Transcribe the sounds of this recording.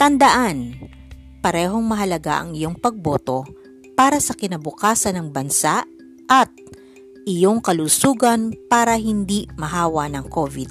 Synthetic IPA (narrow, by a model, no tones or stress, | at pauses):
t̪ɐnd̪ɐʔan | pɐɾɛːɦo̞ŋmɐɦɐlɐɡa̰ʔɐ̰ŋɪjo̞ŋpɐɡ̚bo̞ːt̪o̞ | paːɾɐsɐkɪnɐbʊkaːsɐnɐŋbɐnsaʔ | ʔɐt̪̚ | ʔɪjoŋkɐlusuːɡɐnpaːɾɐɦɪnd̪imɐɦaːwɐnɐŋkoːvɪd̪̚